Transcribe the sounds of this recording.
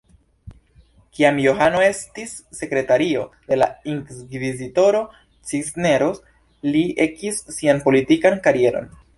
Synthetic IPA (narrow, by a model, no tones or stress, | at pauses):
kiamjo̞ɦano̞e̞stisːe̞kɾe̞taɾio̞de̞la̰iŋkkvizito̞ɾo̞ | t͡sisne̞ɾos | lie̞kisːianpo̞litikankaɾie̞ɾo̞̰n